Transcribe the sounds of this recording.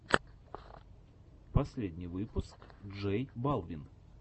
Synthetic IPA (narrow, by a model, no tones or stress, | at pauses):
pɐsʲlʲedʲnʲɪjvɨpʊskʐɛjbalˠvʲɪn